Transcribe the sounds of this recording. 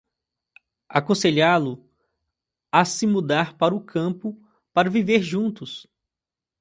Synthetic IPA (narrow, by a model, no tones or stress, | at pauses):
akõseʎalʊ | asɪmud̪aɾpaɾʊkʰɐ̃pʊ | paɾɐviveɾʒũnt̪ʊs